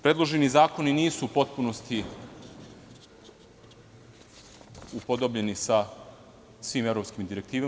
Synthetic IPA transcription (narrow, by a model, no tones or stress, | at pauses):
pɾe̞d̪lˠo̞ʒe̞nizaːko̞niniːsuːpo̞t̪̚puno̞st̪i | upod̪o̞bʎe̞nisa | sʋiːmevɾo̞pskimd̪iɾek̚t̪iːʋa